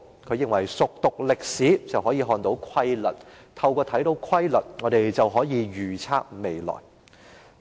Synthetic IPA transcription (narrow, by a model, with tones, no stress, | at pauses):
kʰɵ˨˧ɥjɪ˨ŋwɐ˨˩jsʊ˨k̚t̪ʊ˨k̚lɪ˨k̚siː˨˥t͡sɐ˨whɔː˨˥jiː˧ɦɔː˨˧nt̪o˨˧˥wkʰwɐ˥jlɐ˨˩t̚ | t̪ʰɐ˧wkʷɔː˧t̪ʰɐ˨˥jt̪o˨˥wkʰwɐ˥jlɐ˨t̚ŋɔː˨˧ɾe˨jt͡sɐ˨wɦɔː˨˥jiː˨˧ɥyː˨˩t͡sʰaː˥k̚me˨jlɔ̰ː˨˩j